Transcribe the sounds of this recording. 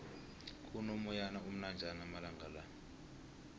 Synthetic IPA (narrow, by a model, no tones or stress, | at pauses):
kʼunomujanaum̩nand͡ʒʱanamalaŋɡʱalani